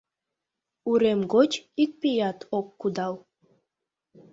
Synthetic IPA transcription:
uɾemɡot͡ɕik̚pijɑt̪ʰokːud̪ɑw

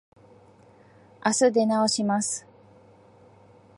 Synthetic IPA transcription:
asɨd̪e̞naoɕimasɨ̥

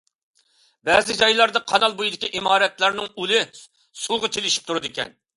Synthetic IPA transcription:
bɛzɪd͡ʒɑjlˠɑɾd̪ɑqʰɑnɑlˠbojid̪ɪkʲiʔimɑːɾɛt̪læɾnɪŋylɪ | sulˠʁɑt͡ʃʰelɪʃi̥p̚t̪ʰuɾɨd̪ɪkʲɛ̰n

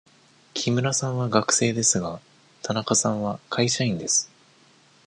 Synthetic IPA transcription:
kʲʰimɯ̟ɾasãɰ̃βaɡakɯ̟̥se̞ːd̪e̞sɨɡa | t̪ʰanakasãɰ̃βakʰaiɕaĩnd̪e̞sɨ̥

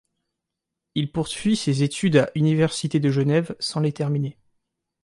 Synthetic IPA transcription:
ilpuʁsɥisezet̪ʰyd̪aʔynivɛʁsit̪ed̪əʒənɛvsɑ̃let̪ɛʁmine

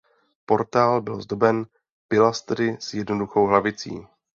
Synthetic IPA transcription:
po̞ɾt̪aːlbɪlzdo̞bɛn | pɪlast̪ɾɪsjɛdnoduxo̞wɦlavɪt͡sḭː

